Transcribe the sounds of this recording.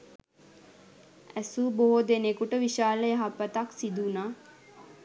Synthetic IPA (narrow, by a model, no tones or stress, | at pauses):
æsuboɦod̪enekuʈəʋiʃaːləjaɦapːət̪aksid̪unaː